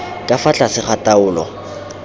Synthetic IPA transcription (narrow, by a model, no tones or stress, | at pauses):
kʼafat͡ɬʼasɪχatʼaʊːlɔ̰